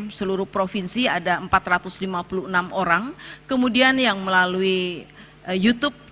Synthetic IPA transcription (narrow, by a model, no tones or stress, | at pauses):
səluɾʊhpɾofinsiadaəmpat̪rat̪ʊslimapuluənamoɾaŋkəmudianjaŋməlalui | əjut̪ʊp̚